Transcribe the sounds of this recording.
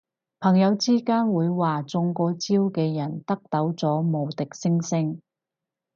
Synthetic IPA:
pʰɐ˨˩ŋjɐ˨˧wt͡siː˥kaː˥nwuː˨˧jwaː˨t͡sʊ˧ŋkɔː˧t͡siː˥wkɛː˧jɐ˨˩nt̪ɐ˥k̚t̪ɐ˨˥wt͡sɔː˨˥mo˨˩wt̪ɪ˨k̚sɪ˥ŋsɪ˥ŋ

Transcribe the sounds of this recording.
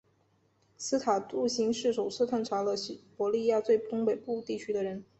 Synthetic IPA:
sɹ̩˥t̪ʰa˨˩t̪u˥˩ɕi˧˥ŋʂɻ̩˥˩ʂo˨˩ʊsɹ̩˥t̪ʰa˥˩nʈ͡ʂʰa˧˥lə˧˥ɕpwɔ˧˥li˥˧ja˥˧t͡swe˥˧ɪt̪ʊ˥ŋpe˨˩ɪpu˥˧t̪i˥˩t͡ɕʰy˥d̪ə˨ɻə˧˥n

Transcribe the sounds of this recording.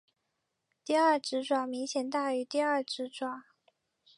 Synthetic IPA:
t̪i˥˧ɐ˥˩ʈ͡ʂɻ̩˧˥ʈ͡ʂwa˨˩mi˧˥ŋɕjɛ˨˩nt̪a˥˩y˧˥t̪i˥˧ə˥˩ʈ͡ʂɻ̩˧˥ʈ͡ʂwa˨˩˦

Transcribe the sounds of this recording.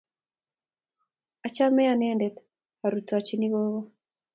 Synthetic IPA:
a˨t͡ʃa˦mɛ˦janendɛt | a˨ɾuta˨t͡ʃini˦ɣoβɔ˦

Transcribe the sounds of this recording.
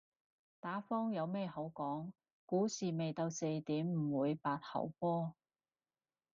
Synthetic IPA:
t̪aː˨˥fɔː˥ŋjɐ˨˧wmɛː˥ho˨˥wkɔː˨˥ŋ | kuː˨˥siː˨me˨jt̪ɐ˧wse˧jt̪iː˨˥mm̩˨˩wuː˨˧jpaː˧t̚hɐ̰˨˩wpɔː˥

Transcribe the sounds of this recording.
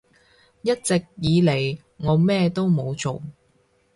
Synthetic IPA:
jɐ˥t̚t͡sɪ˨k̚jiː˨˧le˨˩j | ŋɔː˨˧mɛː˥t̪o˥wmo˨˧wt͡so˨w

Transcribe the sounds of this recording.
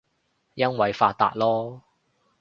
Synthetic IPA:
jɐ˥nwɐ˨˧jfaː˧t̚t̪ːa̰ː˧t̚lɔː˥

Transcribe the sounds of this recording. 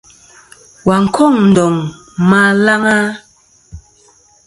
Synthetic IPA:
wa˨ŋ̩˨kʰɔ˦˨ŋn̩˨dɔ˨ŋ | ma˦la˦ŋa˦

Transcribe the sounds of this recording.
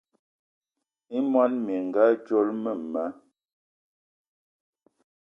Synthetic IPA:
i˦mwa˦nmje˨ŋ˨ɡa˦t͡ʃo˦lmə˦˨ma˨˦

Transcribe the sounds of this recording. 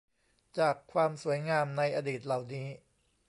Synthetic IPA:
t͡ɕaː˨˩kʰːwaː˧msu˩˦əjŋaː˧mna˧jʔaː˧diː˨˩t̪̚la˨˩wniː˦˥

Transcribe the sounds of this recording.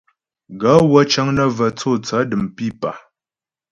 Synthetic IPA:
ɡa˨˦wə˦t͡ʃə˦ŋnə˦və˨t͡so˦˨t͡sə˨˦dɨ˨mpi˦˨pa˨

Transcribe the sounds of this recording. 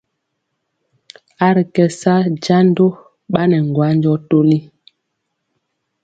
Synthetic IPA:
a˦ɾi˨kɛ˨sa˦d͡ʒa˦ndo˦ | ɓa˦nɛ˨ŋ˨ɡwa˨˦nd͡ʒɔ˦to˦li˦

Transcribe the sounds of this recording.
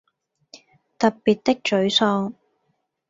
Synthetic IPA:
t̪ɐ˨ppiː˨t̪̚t̪ɪ˥k̚t͡ʃɵ˨˥ɥsɔː˧ŋ

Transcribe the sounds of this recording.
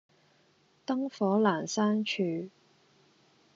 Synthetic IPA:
t̪ɐ˥ŋfɔː˨˥laː˨˩nsaː˥nt͡ʃʰyː˧

